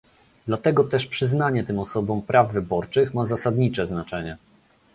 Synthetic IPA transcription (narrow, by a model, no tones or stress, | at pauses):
d̪lat̪ɛɡɔt̪ɛʂpʂɘznaɲɛt̪ɘmɔsɔbɔ̃mpɾʔavːɘbɔɾt͡ʂɘxmazasad̪ɲit͡ʂɛznat͡ʂɛɲɛ